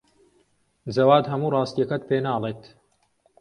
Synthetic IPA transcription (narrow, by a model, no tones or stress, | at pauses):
d͡zɐwaːd̪ɦɐmuːrɑːst̪ijɐkɐt̪̚peːnaːlˠeːt̪